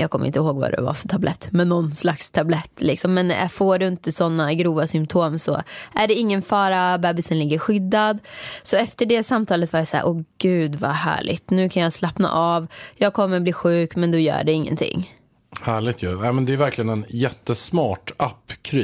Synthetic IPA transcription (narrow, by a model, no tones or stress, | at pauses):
jɑːɡ̚kʰɔmːɾɪ̰nt̪əɦoːɡva̰d̪ɛ̰va̰fœʈ̪ʰablɛt̪ːmɛnːɔnslakst̪ʰablɛt̪ːlɪksɔmːɛn̰foːɖɵɪnt̪əsɔnːaɡɾuːvasʏmpt̪ʰoːmsɔ̰ʔæɖɛɪŋːənfɑːɾabɛːbɪsənlɪɡːəɾɧʏd̪ːad̪sɔɛft̪əɖɛsamt̪ʰɑːlət̪vaːɾjasa̰ːɾʔɔɡ̥ʉ̟ːd̪va̰hæ̰ːɭɪ̰ɡt̪nʉ̟ːkʰanjɑːslapna̰ʔɑvjɑːɡ̚kʰɔmːəɾbliːɧʉ̟ːkmɛnd̪ɔjœ̰ːɖɛɪŋːə̰nt̪ʰɪ̰ŋː | hæːɭɪt̪jʉ̰nɛɪmɛnd̪ɛæɾvæɾklɪɡənɛnjɛt̪ːəsmɑːʈapːkʰɾiː